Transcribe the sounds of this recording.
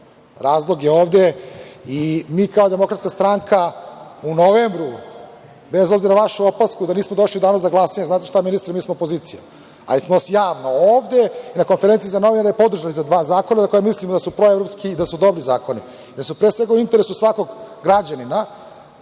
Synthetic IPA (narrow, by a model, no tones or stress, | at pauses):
ɾaːzlˠo̞ɡjeoːʋd̪eimiːkaod̪e̞mo̞kɾat̪skast̪ɾaŋkʰaunoʋembɾu | bezo̞bziɾaʋaʃeopaskud̪aniːsmod̪o̞ʃliud̪aːnozaɡlˠasaɲeznaːt̪eʃt̪aminist̪ɾimiːsmoopoziːt̪sija̰ | a̰lismoasjaːʋnooːvd̪einako̞nfeɾe̞nsizano̞ʋinaɾajepo̞d̪r̩ʒanizad̪ʋaːzaːkonazako̞jemislimod̪asupɾo̞evɾopskiːd̪asud̪o̞bɾizaːko̞ni | d̪asmopɾesʋe̞ɡauint̪eɾesusʋako̞ɡɡɾad͡ʑanina